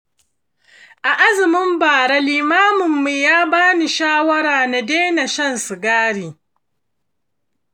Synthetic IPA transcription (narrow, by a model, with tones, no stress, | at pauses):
ʔa˨ʔa˦zɪ˨mɪ˦mbaː˨ɽa˦liː˨maː˦mʊ˨mːu˨jaː˦baː˦ni˨ʃaː˦wɐ˦ɾaː˨na˨deː˦na˨ʃɐ˦nsʊ˨ɡaː˦ɽiː˨